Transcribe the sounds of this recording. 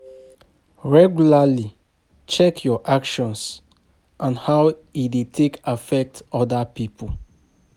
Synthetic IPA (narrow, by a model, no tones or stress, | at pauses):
ɹɛɡjulali | t͡ʃɛkʰjɔʔakʃɔ̃ns | ʔãnhawidetʰekafɛk̚tɔdapipʰu